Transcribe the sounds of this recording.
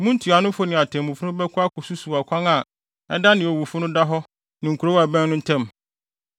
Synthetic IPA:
mũ˦n̩˦tʰi˨a˨nʊ̃˦fʊ˦nɪ̃˨a˨tʰɛ̃˨mũ˨fʊ˦nʊ̃˦bɛ˦kʰʊ˦a˦kʰʊ˨su˦su˨a˨kʷʰã˦ŋa˨ | ɛ˦da˦nɪ̃˨ɔ˨wu˨fʊ˦nʊ̃˦da˦ɦɔ˦ | nɪ̃˨ŋ˨ku˨ɾo˦wa˨bɛ̃˦nnʊ̃˦n̩˦tʰɛ̃˦m

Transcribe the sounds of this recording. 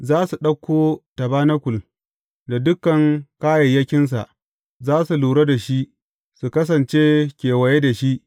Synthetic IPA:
zaː˦su˨ɗɐ˦kʰʷːoː˦tɐ˨baː˦nɐ˦kʷʊ˨l | da˨dʊ˦kːɐ˨ŋkaː˦jɐ˨jːɐ˦kʲɪ˦ns̬a˨ʔ | zaː˦su˨luː˨ɽa˦da˨ʃi˦ʔ | su˨kɐ˦s̬ɐ˨nt͡ʃeː˦kʲeː˨wɐ˨je˦da˨ʃi˦ʔ

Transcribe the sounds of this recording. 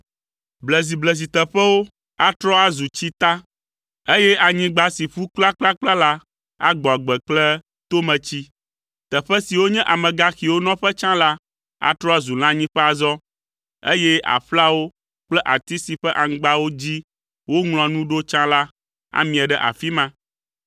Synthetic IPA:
blɛ˨z̬i˨blɛ˨z̬i˨t̪ɛ˨ɸɛ˦wo˦ | a˦t̪ɾɔ˦a˦zu˨t͡ɕi˦t̪a˦ | e˦jɛ˦a˨ɲĩ˦ɡ͡ba˨si˨ɸu˦kla˦k͡pla˦k͡pla˦la˦ | a̰˦ɡ͡bɔ˨a˨ɡ͡bɛ˨k͡plɛ˦ | t̪o˦mɛ̃˨t͡ɕi˦ | t̪ɛ˨ɸɛ˦si˨wo˦ɲɛ̃˦ʔa˨mɛ̃˨ɡa˦xi˨wo˦nɔ̃˦ɸɛ˦t͡ʃã˦la˦ | a̰˦t̪ɾɔ˦a˦zu˨l̃ã˦ɲĩ˦ɸɛ˦a˨zɔ˦ | e˦jɛ˦a̰˨ɸla˦wo˦ | k͡plɛ˦ʔa˨t̪i˦si˨ɸɛ˦ʔã˨ŋ̩˦ɡ͡ba˦wo˦d͡ʑi˦ | wo˦ŋl̃ɔ̃˨nũ˦ɖo˦t͡ʃã˦la˦ | a̰˦mĩ˨ɛ˨ɖɛ˦ʔa̰˨fi˦mã˦

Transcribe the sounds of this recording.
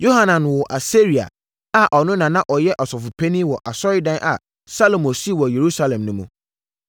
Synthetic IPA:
jo˦ɦa˦nã˨n˨wɔ˨ʔa˨se˦ɾi˨a̰˨ | a˦ʔɔ˨nʊ̃˦nã˨nã˦ʔɔ˨jɛ˦ʔɔ˨sɔ˨fʊ˨pʰe˦nĩ˦wɔ˨ʔa˨sɔ˦ɾɪ˦dã˦nʔa̰˨ | sa˦lo˨mõ˨si˦˨wɔ˨je˨ɾu˦sa˦˨lɛ̃˨mnʊ̃˦mũ˨

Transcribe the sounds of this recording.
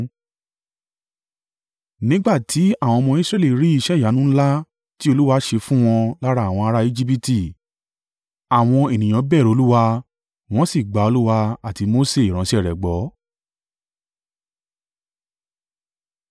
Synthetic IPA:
nĩ˦ɡ͡ba˦˨tʰi˨˦a˦˨w̃ɔ̃˧ɔ˧mɔ̃˧i˦sɾɛ˦˨li˦˨˦ɾi˨˦i˧ʃɛ˦˨ja˨˦nũ˦la˦ | ti˦o˧lu˦wa˧˦ʃe˧fũ˦w̃ɔ̃˧la˦ɾa˧˦˨w̃ɔ̃˧a˧ɾa˦i˦d͡ʒi˦p̬i˦ti˦˨ | a˨w̃ɔ̃˧e˨nĩ˨j̃ã˨˧˦bɛ˦˨ɾo˨˧lu˦wa˧ | w̃ɔ̃˦si˦˨ɡ͡ba˨˦o˧lu˦wa˧a˦˨ti˧mo˦se˦i˨ɾã˨˦si˦ɛ˦˨ɾɛ˨ɡ͡bɔ˨˦

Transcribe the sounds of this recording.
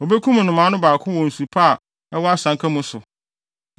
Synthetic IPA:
o˨be˦kʰũ˦m̃˨nʊ̃˨mã˨˦nʊ̃˦baː˨kʰʊ̃˦wɔ̃˨n̩˨su˨pʰa˦˨ | ɛ˦wɔ˦a˦sã˨˦ŋkʰa˦mũ˦sʊ˨

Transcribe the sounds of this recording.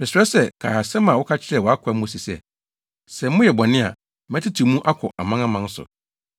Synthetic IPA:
mɪ̃˨sɪ˨ɾɛ˦sɛ˦kʰa̰˨ha˨sɛ˦mã˨wʊ˦kʰa˦t͡ɕʰɪ˦ɾɛ˨wɔ˨a˦kʰa˨˦mʊ̃˦si˨sɛ̰˦˨ | sɛ˨˦mʊ̃˦jɛ˨bɔ˨nɪ̃˦a̰˨ | m˦ɛ˦tʰɪ˦tʰi˨mũ˦ʔa˦kʰɔ˨ʔa˨mã˦ŋã˦mã˨n˦sʊ̰˨

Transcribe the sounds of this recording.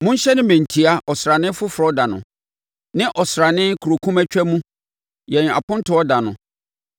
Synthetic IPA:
mʊ̃˦ɲ˦ɕɛ˦nɪ̃˦mæ̃˨n̩˨tʰi˨a˦ʔɔ˨sɾa˨nɪ̃˦fʊ˦fɾɔ˦da˨nʊ̃˨ | nɪ̃˦ʔɔ˨sɾa˨nɪ̃˦kʰu˨ɾo˨kʰũ˦mæ˦t͡ɕᶣɛ˦mũ˦ | jɛ̃˨n˨a̰˨pʊ̃˦n̩˦tʰʊ˨˦ɔ˦da˨nʊ̰̃˨

